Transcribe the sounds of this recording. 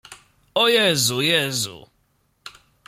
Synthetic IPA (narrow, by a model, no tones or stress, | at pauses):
ojɛzʊjɛzṵ